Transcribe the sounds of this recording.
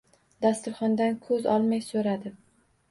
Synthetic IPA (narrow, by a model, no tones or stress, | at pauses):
d̪ast̪ʊɾχɒnd̪ankʰɵzɒ̰lˠmajsoɾad̪ɪ